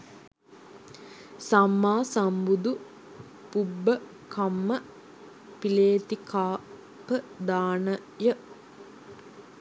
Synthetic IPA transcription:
samːaːsambud̪u | pubːə | kamːə | pileːt̪ikaː | pəd̪aːnə | jə

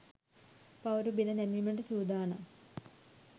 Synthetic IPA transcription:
pɐwɾubid̪ɐnemimeɳɖɨsuːd̪aːɳɐ̰

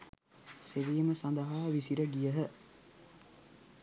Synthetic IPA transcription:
seʋiːməsand̪əɦaːʋisiɾəɡijəɦə

